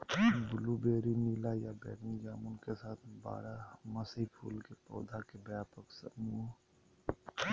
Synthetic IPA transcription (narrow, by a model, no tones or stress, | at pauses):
bʊlubeːɾiniːlajabɛ̰ːɾnid͡ʒaːmʊnkesaːt̪ʰba̰ːɾaməsipʰṵːlkepɔ̰ːd̪ʱakebjaːpəksəmuːɦ